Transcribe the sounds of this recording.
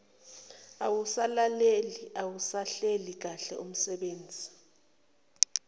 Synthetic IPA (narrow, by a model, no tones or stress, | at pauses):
awusalaleliawusaɬelik̬aɬɛum̩sɛɓeːnd͡zʱi